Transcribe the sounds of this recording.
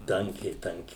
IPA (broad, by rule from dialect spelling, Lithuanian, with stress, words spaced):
ˈtɐŋʲkʲɛɪ ˈtɐŋʲkʲɛɪ